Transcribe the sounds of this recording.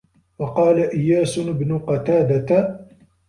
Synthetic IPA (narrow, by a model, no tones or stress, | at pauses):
wɑqɑːlaʔɪjːaːsʊɪbnʊqɑt̪aːd̪at̪